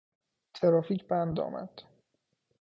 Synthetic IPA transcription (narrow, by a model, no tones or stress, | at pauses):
t̪ʰeɾɒːfiːcʰbænd̪ɒ̰ːmæ̰d̪̥